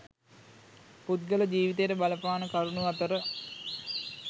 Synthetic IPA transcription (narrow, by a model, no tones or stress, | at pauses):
put̪ɡələd͡ʒiːʋit̪ejʈəbaləpaːnəkaɾunuat̪əɾə